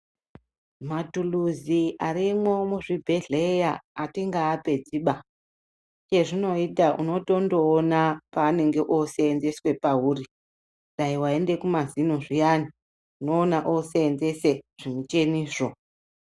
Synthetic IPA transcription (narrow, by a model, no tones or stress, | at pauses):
matuluziʔaɾimwo̞muʐibʱe̞ɮejaːtiŋɡaːpe̞d͡ziːɓa | t͡ʃe̞ʐino̞itaʔṵno̞to̞ndo̞ːnapaːne̞ŋɡe̞ʔoseːnze̞swe̞paɦuːri | ndaiwae̞nde̞kumazinoʐijani | uno̞ːnaʔoseːnze̞se̞ʐ̥imut͡ʃe̞niːʂo